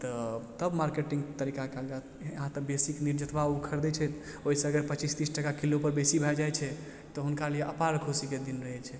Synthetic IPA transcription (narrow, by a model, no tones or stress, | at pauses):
t̪ɔt̪əbmaɾkeʈĩŋɡt̪əɾikakeaɡa | ɦãt̪əbesikniɾd͡ʒət̪ʋaukʰəɾd̪ɛt͡ʃʰɛt̪ | oɦisẽəɡəɾpət͡ʃist̪isʈəkakilopəɾbesibʱɛd͡ʒajt͡ʃʰɛ | t̪ɔɦunkalijeʔəpaɾkʰusiked̪inɾəɦɛt͡ʃʰɛ